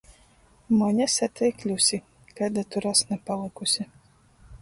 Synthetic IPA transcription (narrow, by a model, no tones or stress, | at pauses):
mɔɲʲɛsɛt̪ʰʲɛjklʲusʲi | kad̪at̪uɾasnɛpalˠɨkusʲi